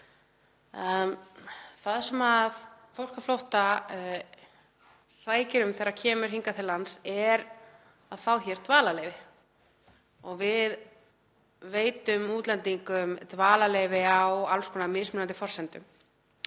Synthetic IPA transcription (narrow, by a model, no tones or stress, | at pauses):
θaðsɛmaðfowl̥kaflowht̪a | svaːjcɪɾʏmθɛɾḁcʰɛːmʏɾ̥ɦiŋkat̪ʰɪlansɛɾ | aðfawçɛɾ̥t̪vaːlalejvɪ | ɔɣvɪð | veːjt̪ʏmuːt̪lɛnt̪iŋkʏmt̪vaːlalejvɪawalskʰɔːnamɪːsmɪnant̪ɪfɔrsɛnt̪ʏ̰m